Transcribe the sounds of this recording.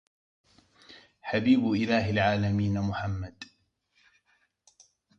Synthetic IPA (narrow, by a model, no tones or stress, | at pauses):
ħabiːbʔɪlaːɦɪlʕaːlamiːnamʊħamːad̪